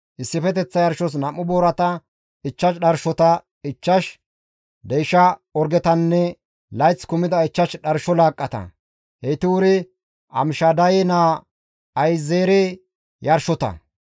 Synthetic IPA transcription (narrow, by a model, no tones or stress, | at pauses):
ʔɪsːɪfɛt̪ɛt͡sːɐjɐɾʃɔs̬nɐmːʊboːɾɐt̪ɐ | ɪt͡ʃːɐʃɗɐɾʃɔt̪ɐ | ɪt͡ʃːɐʃ | d̪ejʃɐɔɾɡɛt̪ɐnːɛ | lɐjt͡skʊmɪd̪ɐɪt͡ʃːɐʃɗɐɾʃɔlaːkʼːɐt̪ɐ̰ | het̪ɪwʊɾɪ | ʔɐ̰mɪʃɐd̪ɐjɛnaː | ɐjzeːɾe | jɐɾʃɔt̪ɐ̰